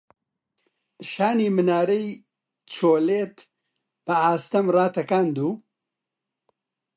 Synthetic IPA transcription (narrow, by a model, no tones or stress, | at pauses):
ʃaːniːmɨnaːɾɐj | t͡ʃʰoːleːt̪ | b̥ɐaːst̪ɐmraːt̪ɐkaːnd̪uː